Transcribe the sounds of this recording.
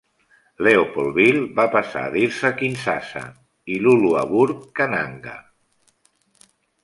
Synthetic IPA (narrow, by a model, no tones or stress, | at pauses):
leopɔlˠβilˠbapasa̰ːðiɾsəkinsasə̰ | ilulua̰βuɾkːana̰ŋɡə̰